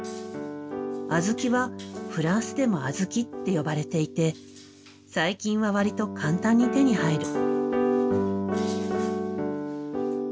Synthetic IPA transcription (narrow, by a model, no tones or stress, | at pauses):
azɨkʲiβaɸɯ̟ɾãɰ̃sɨd̪e̞mo̞azɨkʲit̪ːe̞jo̞baɾe̞t̪e̞it̪e̞ | saikʲĩɰ̃βaβaɾʲit̪o̞kʰãnt̪ãɲ̟ːit̪e̞ɲ̟ihaiɾɯ̟